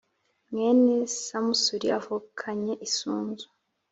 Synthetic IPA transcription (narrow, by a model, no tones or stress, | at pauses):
mŋenesamusuɾiavukʰaɲeʔisuːnzu